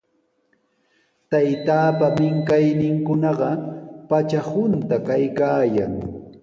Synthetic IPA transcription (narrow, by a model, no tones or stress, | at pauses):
t̪ajt̪aːpamɪŋkajnɪŋkʊnɑɢɑpat͡ʃahʊnt̪akajkaːjaŋ